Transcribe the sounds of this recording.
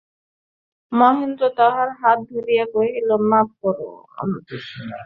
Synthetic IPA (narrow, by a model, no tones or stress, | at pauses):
mɔɦind̪ɾod̪ɔɦaɾɦat̪̚b̪ʱiɾijakoeɦilomat̚kɔɾo̰ | a̰m